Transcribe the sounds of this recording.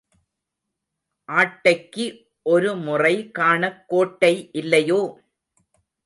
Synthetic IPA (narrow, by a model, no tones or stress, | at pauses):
ʔaːʈːɐɪkːɯ | ʔɔɾɯmʊrɐɪkaːɳɐkːoːʈːɐɪʔɪlːɐjoː